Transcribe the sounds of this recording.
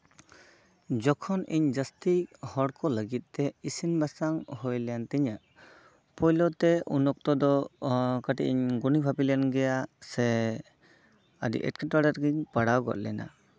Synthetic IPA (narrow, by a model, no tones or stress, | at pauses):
d͡ʒɔkʰɔnḭɲd͡ʒast̪ihɔɽkɔləɡit̪̚ˀt̪ɛisinbasaŋhojljant̪ɛɲaʔ | pɔjlɔt̪ɛṵnɔk̚t̪ɔd̪ɔkaʈiʔiɲɡunibʱapilɛnɡɛjasɛ | adḭʔɛ̰t̚kɛtaɖaɾɡiɲpaɽawɡɔ̰t̪̚lɛna̰